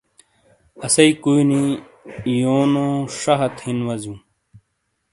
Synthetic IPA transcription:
ɐsɐikuini | joːnõːʂɐɦɐt̪hinwɐzjũː

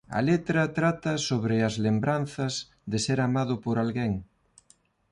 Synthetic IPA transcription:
ɐ̰let̪ɾɐt̪ɾat̪ɐsoβɾɪɐzlembɾan̟θɐz | ðɪseɾamaðʊpoɾalɣeŋ

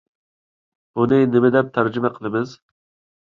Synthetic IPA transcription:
b̥unɨnɪmɪd̪ɛp̚t̪ʰæɾd͡ʒɪmɛqʰəlˠɨmɨz

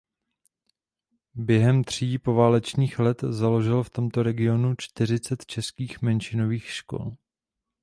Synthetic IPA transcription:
bjɛɦɛmt̪r̝̥iːpo̞vaːlɛt͡ʃɲiːxlɛt̪zalo̞ʒɪlft̪o̞mt̪o̞ɾɛɡɪo̞nut͡ʃt̪ɪr̝ɪt͡sɛt̪t͡ʃɛskiːxmɛnt͡ʃɪno̞viːxʃko̞̰l

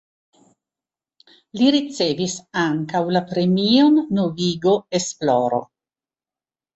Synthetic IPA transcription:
liɾit͡sevisaŋkawlapɾe̞mionːoviɡo̞esploɾo̰

